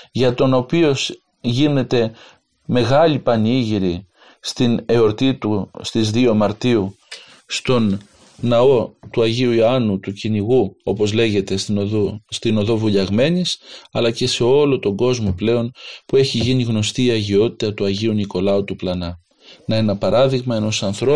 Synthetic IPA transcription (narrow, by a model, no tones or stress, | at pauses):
ʝɐt̪o̞no̞pio̞s | ʝine̞t̪e̞ | me̞ɣɐlipɐniʝiɾi | st̪ine̞o̞ɾt̪it̪ust̪izðio̞mɐɾt̪iu | st̪o̞nː | ɐo̞t̪uɐʝiuioɐnut̪uciniɣuo̞po̞zle̞ʝe̞t̪e̞sust̪ino̞ðo̞vuʎɐɣme̞nisɐlɐce̞se̞o̞lo̞t̪o̞ɡo̞zmo̞ple̞o̞npue̞çiʝiniɣno̞st̪iːɐʝio̞t̪i̥t̪ɐt̪uɐʝiuniko̞lɐut̪uplɐnɐ | nɐenɐpɐɾɐðiɣmɐe̞no̞sɐnθɾo̞